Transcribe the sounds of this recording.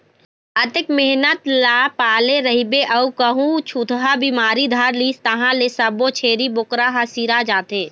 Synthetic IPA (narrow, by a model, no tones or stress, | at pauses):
ət̪ɪkmɪɦnət̪laːpaːleɾəɦibeʔɐukəɦũt͡ʃʰut̪ɦabiːmaːɾid̪ʱaɾliːst̪ɐɦãlesəbot͡ʃʰeːɾibʊkɾaɦasiːɾad͡ʒaːt̪eː